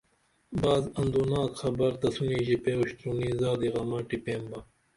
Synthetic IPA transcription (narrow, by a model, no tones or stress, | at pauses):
baːzɐnd̪uːnaːkxɐbɐɾt̪ɐsunĩːʑipeuɕt̪ɾunizaːd̪iɣɐmɐʈipeːmbɐ